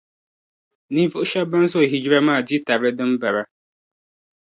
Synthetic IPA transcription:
ni˦vʊ˦ʔʊ˦ʃa˦ba˦n˦so˦˨ɦi˨d͡ʒi˦ɾa˦maː˦˨di˦ta˨bɨ˦dɨ˦mba˨ɾa˦

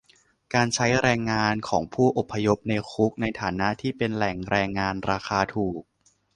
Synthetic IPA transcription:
kaː˧nt͡ɕʰa˦˥jɾɛː˧ŋːaː˧nkʰɔː˩˦ŋpʰuː˥˩ʔo˨˩pʰːa˧jo˦˥p̚ne˧xʰu˦˥k̚na˧jt̪ʰaː˩˦na˦˥ʔt̪ʰiː˥˩pe˧nlɛ˨˩ŋɾɛː˧ŋːaː˧nɾaː˧xaː˧t̪ʰuː˨˩k̚

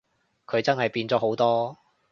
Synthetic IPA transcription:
kʰɵ˨˧ɥt͡sɐ˥nhɐ˨jpiː˧nt͡sɔː˨˥ɦo˨˥wt̪ɔː˥

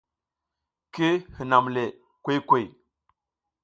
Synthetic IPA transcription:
ke˦hi˨na˨mle˨ | kwe˦jkwe˦˨j

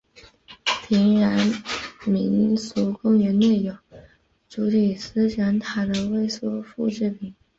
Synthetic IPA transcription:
pʰi˧˥ŋɻa˧˥nmi˧˥nsu˧˥kʊ˥ŋɥɛ˧˥nne˥˩ɪjo˨˩˦ | ʈ͡ʂu˧˥li˨˩sɹ̩˥ʈ͡ʂa˧˥nt̪ʰa˨˩d̪ə˧we˥˩ɪsɔ˥˧fu˥˧ʈ͡ʂɻ̩˥˩pi˨˩˦ŋ

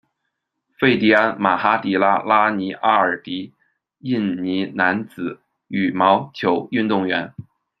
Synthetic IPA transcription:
fe˥˩ɪt̪i˥˩a˥ma˨˩xa˥t̪i˨˥la˥la˥ni˧˥ʔa˥ə˞˨˩t̪i˧˥ | i˥˩nni˧˥na˧˥nt͡sɹ̩˨˩˦ | y˨˩mɑ˧˥ʊt͡ɕʰjo˧˥ʊy˥˧nt̪ʊ˥˩ŋɥɛ˧˥n

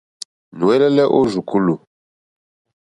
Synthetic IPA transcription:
nu˨wɛ˦lɛ˦lɛ˦ʔo˦ʒu˨ku˦lu˨

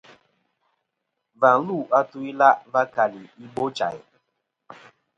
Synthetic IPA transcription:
va˨n̩˦lu˦˨ʔa˦tu˦i˦la˦va˦ka˨li˨i˦ɡ͡bo˦t͡ʃa̰˨ɪ̰˨

